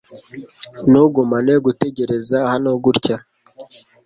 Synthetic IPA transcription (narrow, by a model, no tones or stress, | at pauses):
nuɡumaneɡute̞ɟe̞ɾe̞zahanoɡuɾca